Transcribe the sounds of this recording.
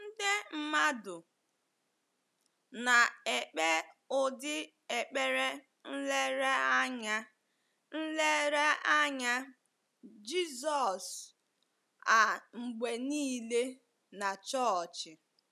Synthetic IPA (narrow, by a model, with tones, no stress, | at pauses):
n̩˦de˦m̩˨ma˦dʊ˨ | na˨e˨k͡pe˦ʊ˨dɪ˦ | e˨k͡pe˦ɾe˦ | n̩˦le˦ɾe˦a˦ɲa˦ | n̩˦le˦ɾe˦a˦ɲa˦ | d͡ʒi˦zɔ˨s | a˨ŋ͡m̩˨ɡ͡be˨niː˦le˦ | na˨t͡ʃɔ˦t͡ʃɪ˨